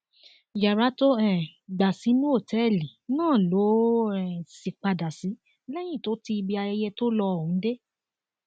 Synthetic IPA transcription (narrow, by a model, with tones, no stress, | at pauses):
ja˨ɾa˨˦to˦ɛ̃˨ɡ͡ba˨si˨˦nũ˦o˦˨tɛ˨˦˨li˨nãː˦˨lo˨˦ɛ˨si˨k͡pa˧da˨si˨˦ | lɛ˦j̃ĩ˦˨to˨˦ti˧i˧bi˧a˧jɛ˧jɛ˧to˦lɔ˧ɔ˨ũ˨˦de˦